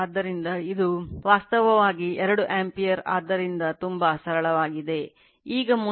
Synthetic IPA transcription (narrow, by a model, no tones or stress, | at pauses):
d̪ːɐɾind̪ɐid̪uʋaːst̪ɐʋɐʋaːɡiɛɾɐɽuʔaːmpijɐɾa̰ːd̪ːɐɾind̪ɐt̪umbɐsɐɾɐɭɐʋaːɡid̪e̞ | iːɡɐmu